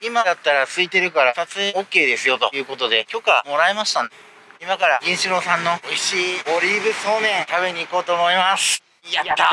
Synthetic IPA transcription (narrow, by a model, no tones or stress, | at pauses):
imad̪at̪ːaɾat͡sɨit̪e̞ɾɯ̟kaɾasat͡sɨeokːe̞ːd̪e̞sɨjo̞t̪o̞̰jɯ̟ːko̞t̪o̞d̪e̞kʲo̞kamo̞ɾaemaɕi̥t̪a | imakaɾaɡʲĩɰ̃ɕiɾo̞ːsãnːo̞oiɕiːoɾʲiːbɯ̟so̞ːmẽ̞ŋt̪aβe̞ɲ̟iːko̞ːt̪o̞ːmo̞imasɨ̥ | at̪a